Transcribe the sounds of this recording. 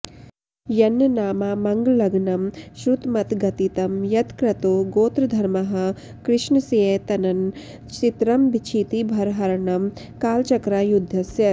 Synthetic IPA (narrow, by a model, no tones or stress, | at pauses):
jɐnːɐnaːmaːmɐŋɡlɐɡnɐmʃɾut̪mɐt̪ɡɐt̪it̪ɐmjɐt̪kɾɐt̪oːɡoːt̪ɾɐd̪ʱɐɾmɐɦɐ̆ | kɾɪʃnɐsijet̪ɐnɐn | t͡ʃit̪ɾɐmbit͡ʃʰiːt̪ibʱɐɾɦɐɾɳɐm | kaːlt͡ʃɐkɾaːjud̪ʱːɐsjɐ